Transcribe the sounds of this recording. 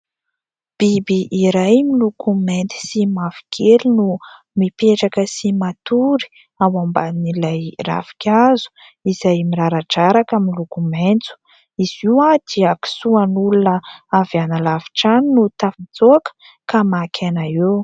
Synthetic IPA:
b̥ibiʔiɾajmilukument̪i̥simavi̥kʰelinu | mipeʈ͡ʂakəsimat̪uɾi̥ | awambaninilajra̰fi̥kʰʲazu̥ | iz̥ajmiɾaɾaʈ͡ʂaɾakamilukument͡su̥ | iziwad̪̥iaki̥suanulunəavanəlavi̥ʈ͡ʂaninut̪afid͡zoakə̥ | kamakʲʰenaew

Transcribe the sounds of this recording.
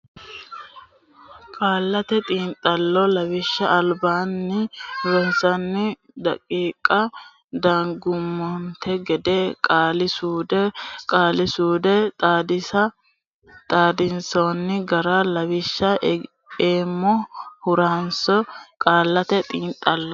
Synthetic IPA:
kʼaːlːɐt̪ɛt̪ʼiːnt̪ʼːɐlːɔlɐwɪʃːɐʔɐlbaːnːɪʊɾɔnsɐnːɪ | d̪ɐ̰kʼːiːkʼɐ | d̪aːŋɡʊmːɔnt̪ʰɛɡɛd̪ɛkʼaːlɪsuːd̪ɛkʼaːlɪsuːd̪ɛdɪɐ | t̪ʼaːd̪ɪnsoːnːɪɡɐɾalɐwɪʃːɐ | eːmːɔhʊɾaːnsɔkʼaːlːɐt̪ɛt̪ʼiːnt̪ʼːɐlːɔ

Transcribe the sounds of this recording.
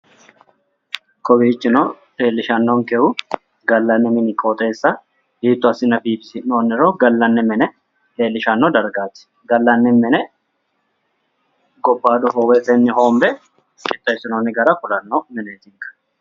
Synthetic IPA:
kʰʼɔbiːt͡ʃːɪno | t̪eːlːɪʃɐnːɔŋkɛʔʊ | ɡɐlːɐnːɪmɪnɪkʼoːt̪ʼe̞ːsːɐ | hiːt̪ːʊɐsɪnɐbiːbɪsɪnoːnːɪɾoːɡɐlːɐnːɪmɛnɛ | t̪eːlːɪʃɐnːɔd̪ɐɾɡaːt̪ːɪ̥ | ɡɐlːɐnːɪmɛnɛ | ɡɔbːaːd̪ɔɦowɛt̪ɛnːɪɦoːmbɛ | kɪt̪ʼːɐɪsɪnoːnːɪɡɐɾɐkʊlɐnːɔmɪneːt̪ɪŋkʼɐ̥

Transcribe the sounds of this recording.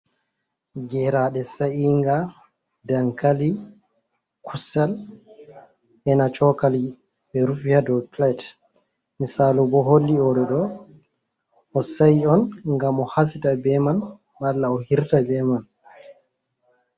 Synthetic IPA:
ɡɛɾaɗɛsaʔiŋɡa | daŋkali | kʰusal | ʔɛnat͡ʃɔkali | ɓɛɾufihadɔplat | misalubɔɦolːiɔɗɔɗɔ | ɔsajiɔnŋɡamɔhas̬itabɛman | balːaɔhiɾtabɛman

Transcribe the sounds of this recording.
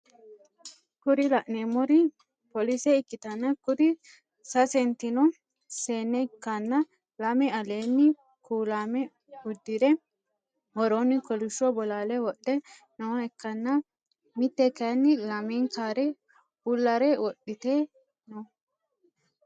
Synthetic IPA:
kʊɾɪlɐʔneːmɔɾɪ | pɔlisɛɪkːɪt̪ɐnːɐkʊɾɪ | sɐsɛnt̪ɪnɔ | seːnːɛkːɐnːɐ | lɐmɛɐleːnːɪ | kuːlaːmɛ | ʊd̪ːɪd̪ɛ | hɔɾonːɪkɔlʊʃɔbɔlaːlɛwɔɗɛ | nɐwɐɛkːɐnːɐ | mɪt̪ːɛkɐnːɪlɐmɛŋkaːɾɛ | bʊlːɐɾɛwɔɗɪt̪eː | nɔ

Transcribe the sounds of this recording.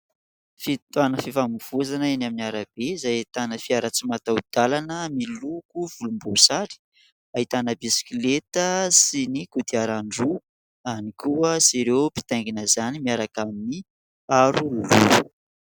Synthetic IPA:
fit̪uanəfivamiv̥uzanaenaminiaɾab̥eizajt̪anəfiaɾat͡simat̪aud̪̥alanəmilukuv̥ulumbusaɾi̥ | ait̪anəbisi̥kilet̪əsinikud̪iaɾaɳɖ͡ʐu | anikuəsiɾewpi̥t̪aŋɡinəzanimiaɾakamini | aɾululuu̥

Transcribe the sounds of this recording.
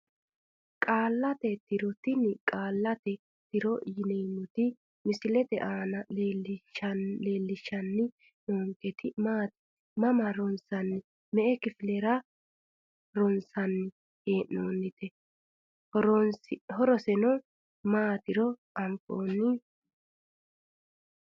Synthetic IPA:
kʼaːlːɐt̪ɛt̪ɪɾɔt̪ɪnkʼaːlːɐt̪ɛ | t̪ɪɾɔjɪnɛmːɔt̪ɪ | mɪsɪlɛt̪ɛ̰ʔaːnɐleːlɪʃɐle̞ːlːɪʃːɐnːɪ | noːŋkɛt̪ɪmaːt̪ɪ̥ | mɐmɐɾɔnsɐnːɪ | mɛʔɛkɪfɪlɛɾɐ | ɾɔnsɐnːɪ | heːʔoːnːɪt̪ɛ | ɾɔhɔɾɔsɛnɔ | maːt̪ɪɾɔʔɐmpʼo̰ːnːɪ

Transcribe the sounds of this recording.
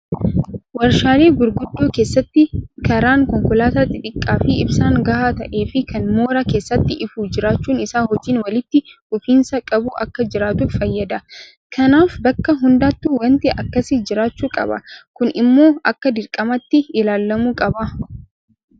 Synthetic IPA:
wɐɾʃaːleːɡʊɾɡʊd̪ːoːke̞ːsːɐt̪ːɪkɐɾaːŋkɔŋkɔlaːt̪ɐt̪ːɪᶑʼɪkʼːaːfɪɪbsaːŋɡɐhaːt̪ɐʔe̞ːfɪkɐnmo̞ːɾɐke̞ːsːɐt̪ːɪʔɪfuːd͡ʒɪɾaːt͡ʃːuːnɪsaːhɔd͡ʒːiːnwɐlɪt̪ːɪ | ʊfiːnsɐkʼɐbuʔɐ̰kːɐd͡ʒɪɾaːt̪ʊfɐjːɐd̪ɐ | kʰɐnaːfbɐkːɐɦʊnd̪aːt̪ːuwɐnt̪ɪʔɐkːɐsɪd͡ʒɪɾaːt͡ʃːuːkʼɐ̰bɐ̰kʊnɪmːo̞ːʔɐkːɐd̪ɪɾkʼːɐmɐt̪ːɪɪlaːlːɐmuːkʼɐbɐ

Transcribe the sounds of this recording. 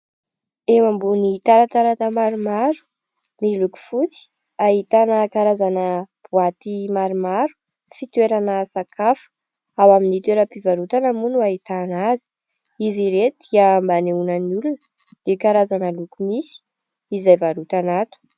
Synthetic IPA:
emambunit̪aɾat̪aɾat̪əmaɾumaɾu̥ | niluku̥fut͡si̥ | aɦit̪anəkaɾazanəb̥uat̪imaɾumaɾu̥ | fit̪weɾanəsakʰafu̥ | awaminit̪weɾəpivaɾut̪anamunuaɦit̪anazi̥ | iziɾet̪ud̪iambaneunənulunə | d̪̥ekaɾazanəlukumisi̥ | izajvaɾut̪anat̪u̥

